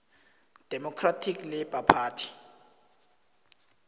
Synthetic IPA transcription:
d̥ʱɛmɔkʰratʰiklɛb̥ʱapʰaːtʰi̥

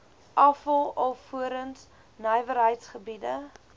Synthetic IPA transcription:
ʔɐfəlˠɔfuəɾəns | nəjvəɾɦəjtsχəbidə

